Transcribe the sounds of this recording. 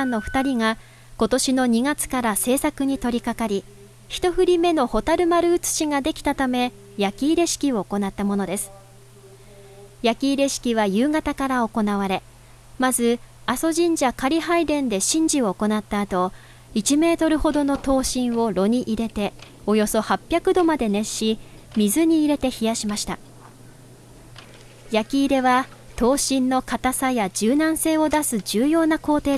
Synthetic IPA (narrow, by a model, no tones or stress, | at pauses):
ãnːo̞ɸɯ̟̥t̪aɾʲiŋa | ko̞t̪o̞ɕino̞ɲ̟iɡat͡sɨ̥kaɾase̞ːsakɯ̟ɲ̟it̪o̞ɾʲikakaɾʲi | çi̥t̪o̞ɸɯ̟ɾʲime̞no̞ho̞t̪aɾɯ̟maɾɯɯ̟t͡sɨ̥ɕiŋad̪e̞kʲi̥t̪at̪ame̞ | jakʲiːɾe̞ɕi̥kʲio̞ːko̞nat̪ːamo̞no̞d̪e̞sɨ̥ | jakʲiːɾe̞ɕi̥kʲiβajɯːŋat̪akaɾao̞ko̞naβaɾe̞ | mazɨaso̞ʑĩɲ̟d͡ʑakaɾʲiɦaid̪ẽ̞nd̪e̞ɕĩɲ̟d͡ʑio̞ːko̞nat̪ːaːt̪o̞ | it͡ɕime̞ːt̪o̞ɾɯ̟ho̞d̪o̞no̞t̪o̞ːɕĩɰ̃o̞ɾo̞ɲ̟iʔiɾe̞t̪e̞ | o̞jo̞so̞hapʲːjakɯ̟d̪o̞mad̪e̞ne̞ɕi | mʲizɨɲ̟iːɾe̞t̪e̞çijaɕimaɕi̥t̪a̰ | jakʲiːɾe̞βat̪o̞ːɕĩnːo̞kat̪asajad͡ʑɨːnãɰ̃se̞ːo̞d̪asɨd͡ʑɨːjo̞ːnako̞ːt̪e̞ː